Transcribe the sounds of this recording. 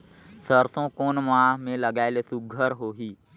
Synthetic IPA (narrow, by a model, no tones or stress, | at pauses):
səɾsõkoːnmaːɦmẽləɡaːelesʊɡʱəɾɦoːɦiː